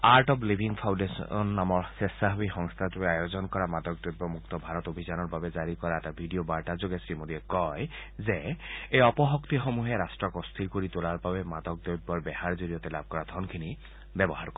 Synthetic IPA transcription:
aɹtɔplibʱiŋpʰawndesnːamɔɹsɛsaɦobixɔŋst̪ʰatuɛajozɔnkɔɹamadɔk̚dobːɔmukt̪ɔbʱaɹɔtobʱizanɔɹbabɛzaɹikɔɹaɛtabʱidiobaɹtazoɡɛsɹimodiɛkɔjzɛejɔpɔɦɔkt̪ixomuɦɛɹastɹɔkɔst̪ʰiɹkoɹitolaɹbabɛmadɔk̚dojbɔɹbɛhaɹzoɹijɔtɛlab̚ʱkɔɹad̪ʱɔnkʰini | bɛbɔɦaɹkɔ

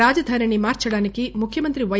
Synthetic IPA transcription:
aːd͡ʒɐd̪ʱanɐɳimaːɾt͡ʃɐɽaːnikimukʰjɐmɐnt̪ɾiʋɐ

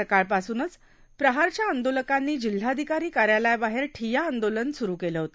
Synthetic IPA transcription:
əkaɭpasuːnət͡s | pɾəɦaɾt͡ɕjaənd̪oləkanːiːd͡ʑil̤ːaəd̪ʱikaɾiːkaɾjalajbaɦeɾʈʰijaənd̪olənsuɾuːkeləɦot̪o̥

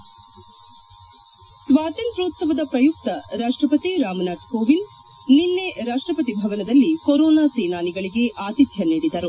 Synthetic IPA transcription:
sʋaːt̪inpɾuːt̪sɐʋɐd̪ɐpɾɐjuk̚t̪ɐɾaːʂʈɾɐpɐt̪iɾaːmɐnaːɖkoːʋin | nilːeɾaːʂʈɾɐpɐt̪ibʱɐʋɐnɐd̪ɐlːikɔɾɔːnaːseːnaːniɡɐɭiɡe̞ʔaːt̪it̪jɐniːɽid̪ɐɾu

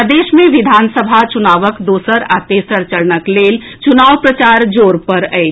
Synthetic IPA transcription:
d̪eːʃmẽʋid̪ʱaːnsəbʱat͡ʃunaːʋəkd̪oːsəɾaːt̪esəɾt͡ʃəɾnəkleːlt͡ʃunaːʋpɾət͡ʃaːɾd͡ʒoːɾpəɾəɪ

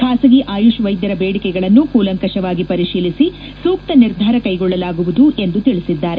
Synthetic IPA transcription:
kʰaːsɐɡiʔaːjuʃʋɐjd̪jɐɾɐbeːɽikɛɡɐɭɐnːukuːlɐŋkɐʃɐʋaːɡipɐɾiʃiːlisi | suːk̚t̪ɐniɾd̪ʱaːɾɐkɐjɡɔɭːɐlaːɡuʋud̪uʔe̞nd̪ut̪iɭisid̪ːaːɾe

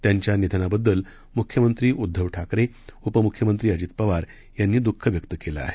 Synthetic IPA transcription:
t̪jaɲt͡ɕjanid̪ʱənabəd̪ːəl | mukʰjəmənt̪ɾiːʔud̪ʱːəʋʈʰakɾe | upəmukʰjəmənt̪ɾiːəd͡ʑiːt̪pəʋaɾ | janːiːd̪ukʰːəʋjəkt̪əkela̰a̰ɦe

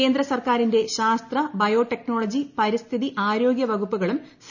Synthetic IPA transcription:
eːnd̪ɾɐsɐrkaːɾinde̞ɕaːst̪rɐbɐjo̞ːʈe̞kno̞ːɭɐd͡ʑipɐɾist̪ʰiðiʔaːɾo̞ːɡjɐʋɐɣupːuɣɐɭums

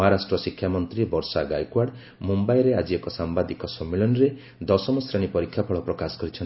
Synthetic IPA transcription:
ɦaɾasʈɾɔsikʰːjamɔnt̪ɾibɔɾsaɡajkwaɾɖ | mumbajɾead͡ʒiekɔsambad̪ikɔsɔmːilɔnɾe | d̪ɔsɔmɔsɾaɽ̃ipɔɾikʰːjapʰɔɭɔpɾɔkasɔ̥kɔɾit͡ʃʰɔn

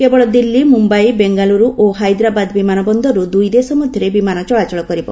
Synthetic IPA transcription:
kebɔɭɔd̪ilːimumbajbeŋɡaluɾuʔoɦajd̪ɾabad̪bimanɔbɔnd̪ʱɔɾud̪ujd̪esɔmɔd̪ʱjɔɾebimanɔt͡ʃɔɭat͡ʃɔɭɔkɔɾibɔ̰

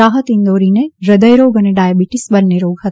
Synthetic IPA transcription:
aːɦət̪ind̪oːɾineɾəd̪əjɾoːɡəneɖaːjabiʈisbɐnːeɾoːɡɦɐt̪

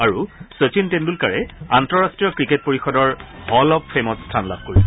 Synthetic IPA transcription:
aɹusot͡ɕintendulkaɹɛantɔɹastɹijɔkɹiket̚poɹixɔdɔɹhɔlɔp̚pʰɹemɔtstʰanla̰b̥̚ʱkoɹis

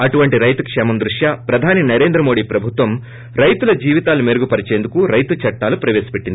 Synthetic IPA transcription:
ɐʈuʋɐɳʈiɾɐjt̪ɐkʂɛːmɐmd̪ɾuʂjaːpɾɐd̪ʱaːninɐɾe̞ːnd̪ɾɐmo̞ːɽiːpɾɐbʱut̪ʋɐm | ɾɐjt̪ulɐd͡ʒiːʋit̪aːlumeɾuɡupɐɾit͡ʃeːnd̪ukuɾɐjt̪ut͡ʃɐʈːaːlupɾɐʋeːsi̥pe̞ʈːind̪i

